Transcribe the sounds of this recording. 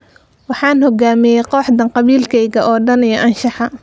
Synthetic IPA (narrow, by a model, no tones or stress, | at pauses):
wɑħɑːnhɔɡaːmɪjɛjqɔːħd̪ɐnqɑβiːlkʰɛjɣɐʔɔːɖɐnijɔʔɐnʃɑħɑ